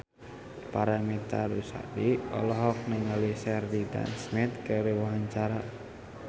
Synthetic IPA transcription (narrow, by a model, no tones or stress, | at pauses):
paɾamit̪a̰ɾusa̰diɔ̰lɔɦɔk̚nəŋəlisɛrdida̰nsmɪt̪̚kəɾiwaɦaɲt͡ʃaɾa